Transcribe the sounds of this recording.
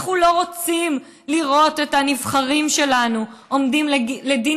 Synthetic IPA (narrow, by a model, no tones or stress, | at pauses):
χulo̞ʁot͡sim | liʁo̞tetanivχaʁimʃe̞lanuʔo̞mdimlledi